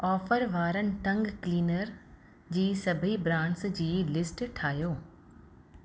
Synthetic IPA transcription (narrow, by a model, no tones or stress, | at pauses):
ɔːfʰəɾʋaːɾənɪ̆ʈ̪ɐ̃ŋɡkliːnəɾ | d͡ʑiːsɐbʱibɾãːɳʈsd͡ʑiːlɪsʈʈʰaːjoː